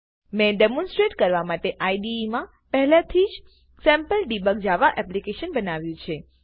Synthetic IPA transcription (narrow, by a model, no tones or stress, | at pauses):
mɛ̃ɖemɔ̃nsʈɾeʈkəɾʋamaʈeʔaiɖimã | pəɦlãt̪ʰid͡ʒ | sɛ̃mpəlɖibəɡd͡ʒaʋaʔɛplikeʃənbənaʋjũt͡ʃʰe